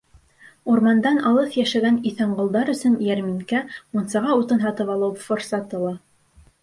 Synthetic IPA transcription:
uɾmɑnd̪ɑnɑlˠɤθjæʃæɡæniθæɴɢŏlˠd̪ɑɾɵ̆sɵnjæɾmiŋkæmunsɑʁɑut̪ɤnɦɑt̪ɤpɑlˠɤwfoɾsɑt̪ɤ̆lˠɑ

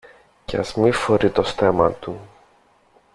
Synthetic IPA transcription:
cɐ̰zmifoɾit̪o̞st̪emɐt̪u

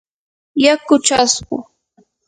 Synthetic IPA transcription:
jakʊt͡ʃasɢʊ̰

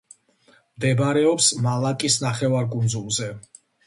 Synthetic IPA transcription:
md̪ɛbaɾɛɔpsmalˠakʼisnaχɛvaɾkʼund̪zulˠzɛ

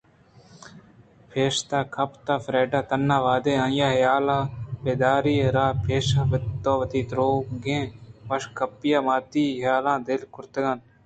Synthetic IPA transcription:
pʰeːʃt̪aːkʰɐpt̪aːfɾeːɖaːt̪ɐnːaːʋaːd̪eːɐ̃jaːɦjaːlaːbeːd̪aːɾiːɾaːpʰeːʃaːpɪt̪ːoːʋɐt̪iːt̪ɾoːɡẽːʋɐʃkʰɐpːjaːmaːt̪iːɦjaːlãːd̪ɪlkʰʊɾt̪əɡan

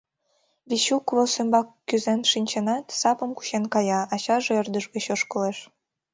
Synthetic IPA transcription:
βʲiɕukvosømbɑkːyzenʃinʲt͡ɕenɑt̪sɑpəmku̥ɕenkɑjɑɑɕɑʒeərd̪əʒɡeɕoʃkə̆leʃ

